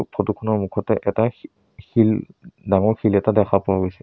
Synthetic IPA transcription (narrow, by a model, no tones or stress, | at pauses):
pʰɔtukʰɔnɔɹmukʰɔtɛʔɛta | xildaŋɔɹxʰilɛtadɛkʰapɔwaɡojsɛ̥